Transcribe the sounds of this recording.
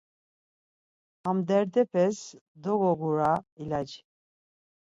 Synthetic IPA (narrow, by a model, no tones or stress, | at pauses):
hamd̪ɛɾd̪ɛpʰɛsd̪ɔɣɔɡuɾailad͡ʒi